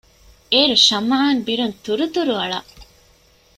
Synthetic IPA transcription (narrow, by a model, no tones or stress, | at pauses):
eːɾuʃɐmaɦaːnbiɾunt̪uɾut̪uɾuɐɭɐʔ